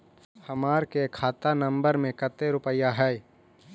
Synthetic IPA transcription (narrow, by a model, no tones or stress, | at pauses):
hɐmaːɾkekʰaːt̪anə̃mbəɾmẽkət̪eɾʊpəjaɦɛ